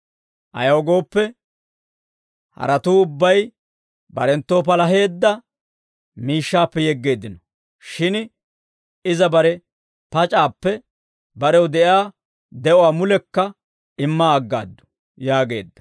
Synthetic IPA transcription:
ʔɐ̰jɐwɡo̞ːpːɛ | hɐ̰ɾɐt̪uːʊbːɐj | bɐ̰ɾɛnt̪ːo̞ːp̬ɐlɐɦe̞ːd̪ːɐ | miːʃːaːpːɛjɛɡːe̞ːd̪ːɪnɔ | ʃɪn | ɪzɐbɐɾɛ | pɐt͡ʃʼaːpːɛ | bɐɾɛwd̪ɛʔjaː | d̪ɛʔɔwaːmʊlɛkːɐ | ɪmːaːɡːa̰ːd̪ːʊ̥ | jaːɡe̞̰ːd̪ːɐ̥

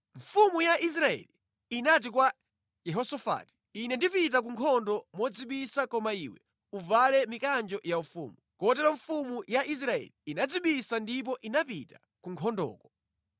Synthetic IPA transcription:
ɱ̩fumujaʔis̬ɾaɛ̰liː | nat̬ikwa | jɛɦɔsɔfa̰ːti̥inɛndipit̬ak̬uŋkʰɔndɔmwɔd͡ziɓisakɔmaiwɛ | uvalɛmikand͡ʒɔjaufṵːmukɔt̬ɛɾɔɱfumujaʔis̬ɾaɛ̰liinad͡ziɓisandip̬ɔʔinapita | kuŋkʰɔndɔ̰ːkɔ̥

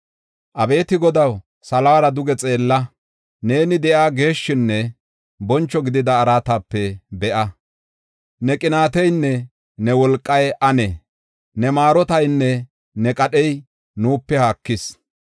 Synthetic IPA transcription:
ʔɐbe̞ːt̪ɪɡɔd̪ɐw | sɐlɐwɐɾɐd̪ʊɡɛt͡sʼe̞ːlːɐ | ne̞ːnɪd̪ɛʔaːɡe̞ːʃːɪnːɛ | bɔnt͡ʃːɔɡɪd̪ɪd̪ɐːɾaːt̪aːpːɛbɛʔɐ | nɛkʼɪnaːt̪ɛjnːɛ | nɛwɔlkʼːɐjʔɐnɛ | nɛmaːɾɔt̪ɐjnːɛ | nɛkʼɐɗɛj | nuːpːɛhaːkːɪs

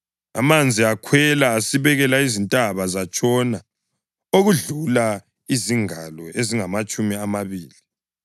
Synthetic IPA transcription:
a̰mand͡zʱiakʰwɛlaːsiβɛɣɛlaizintʼaβazat͡ʃʼɔna | oɣuɮula | iziŋalɔʔeziŋamat͡ʃʼumiamaβiːli

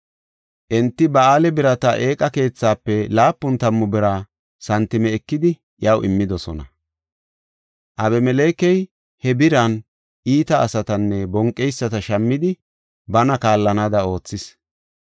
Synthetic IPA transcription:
ʔɛnt̪ːɪbɐaːlɛbɪɾɐt̪ɐʔe̞ːkʼɐke̞ːt͡sːaːpːɛlaːpːʊnt̪ɐmːʊbɪɾa | sɐnt̪ːɪmɛːkːɪd̪ɪ | jɐwɪmːɪd̪ɔsɔnɐ̰ | ʔɐbɛmɛle̞ːkɛj | hɛbɪɾɐn | ʔiːt̪ɐːsɐt̪ɐnːɛbɔŋkʼːɛjsːɐt̪ɐʃɐmːɪd̪ɪ | bɐnɐkaːlːɐnaːd̪ɐo̞ːt͡sːɪs

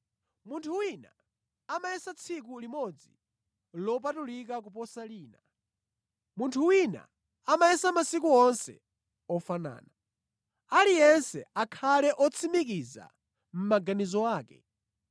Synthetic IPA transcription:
muntʰuwina | amajɛsat͡sʰikulimɔd͡zi | lɔp̬atulik̬ak̬upɔsaliːna | muntʰuwina̰ | amajɛsamasikuɔnsɛ̰ | ɔfana̰ːna | alijɛnsɛ̰akʰalɛʔɔt͡sʰimikiza̰ | m̩maɡanizɔaːkɛ̰

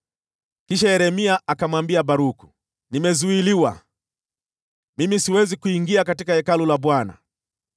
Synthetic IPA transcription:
kiʃaɛɾɛmiaʔakamwambiabaɾuku̥ | nimɛzuiliwa̰ | mimisiwɛzikuiŋɡiakatikaɛkalulaɓwana̰

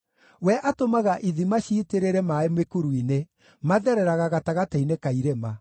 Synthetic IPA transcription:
wɛʔatomaɣaʔiðimaʃiːteɾeɾɛmaemwekuɾuine | maðɛɾɛɾaɣaɣataɣatainekaiɾema

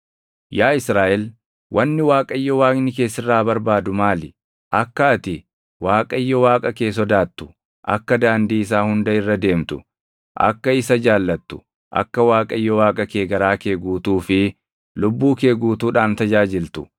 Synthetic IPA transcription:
jaːɪsɾaːʔɛl | wʔɐnːɪwaːkʼɐɪjːɔwaːɡnɪke̞ːsɪrːaːbɐɾbaːd̪ʊmaːlɪ | ʔɐkːɐːt̪ɪ | waːkʼɐjːɔwaːkʼɐke̞ːs̬ɔd̪aːt̪ːʊ̥ | ʔɐ̰kːɐd̪aːnd̪iːɪs̬aːhʊnd̪ɐɪrːɐd̪e̞ːmt̪ʊ̥ | ʔɐ̰kːɐɪsɐd͡ʒaːlːɐt̪ːʊ̥ | ʔɐ̰kːɐwaːkʼɐjːɔwaːkʼɐke̞ːɡɐɾaːkeːɡuːt̪uːfɪ | lʊbːuːkeːɡuːt̪uːᶑaːnt̪ɐd͡ʒaːd͡ʒɪlt̪ʊ̥

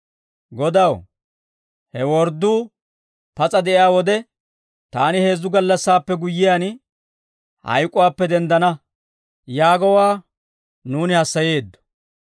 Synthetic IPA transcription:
ɡɔd̪ɐw | hɛwɔɾd̪uː | pɐt͡sʼɐd̪ɛʔɪjaːwɔd̪ɛ | t̪aːnɪhe̞ːzːʊɡɐlːɐsːaːpːɛɡʊjːɪjaːn | hɐ̰jkʼːʊwaːpːɛd̪ɛnd̪ɐnɐ | jaːɡɔwaː | nuːnɪhɐsːɐje̞ːd̪ːɔ̥

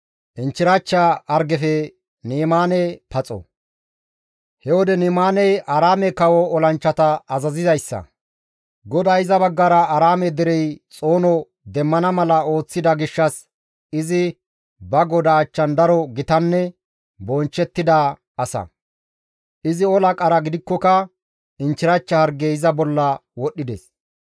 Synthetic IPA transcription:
ʔɪnt͡ʃːɪɾɐt͡ʃːaɐɾɡɛfɛ | niːmaːnɛpɐt͡sʼɔ̰ | hɛwɔd̪ɛniːmaːnɛjʔɐɾaːmɛkɐwɔɔlɐnt͡ʃːɐt̪ɐːzɐzɪzɐjsːɐ̰ | ɡɔd̪aːɪzɐbɐɡːaɾɐɐɾaːmɛd̪ɪɾɛjt͡sʼo̞ːnɔ | d̪ɛmːɐnɐmɐlɐo̞ːt͡sːɪd̪ɐɡɪʃːɐs | ɪzɪ | bɐɡɔd̪ɐːt͡ʃːɐnd̪ɐɾɔɡɪt̪ɐnːɛ | bɔnt͡ʃːɛt̪ːɪd̪ɐ | ɐsɐ̰ | ʔɪzɪɔlɐkʼɐɾɐɡɪd̪ɪkːɔkɐ | ɪnt͡ʃːɪɾɐt͡ʃːɐhɐɾɡeɪzɐbɔlːɐwɔɗːɪd̪ɛs

